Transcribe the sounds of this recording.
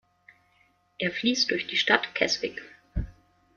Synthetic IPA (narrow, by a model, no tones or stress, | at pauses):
ʔeːɐfliːst̚d̥ʊɐçd̥iːʃtatkʰɛsb̥ɪk